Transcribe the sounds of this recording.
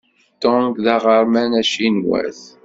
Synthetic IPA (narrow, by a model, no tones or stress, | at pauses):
t̪ːonɡðɑʁəɾˤmænæʃinwæ̰θ